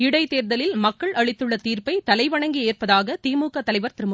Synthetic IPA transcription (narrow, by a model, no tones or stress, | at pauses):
ɪɽɐɪt̪eːɾðɐlɪlmɐkːɐɭʔɐɭɪt̪ːɯɭːɐt̪iːrpɐɪt̪ɐlɐɪʋɐɳɐŋɡieːrpɐðaːɣɐt̪iːmuːkɐt̪ːɐlɐɪʋɐɾt̪ɪɾɯmɯ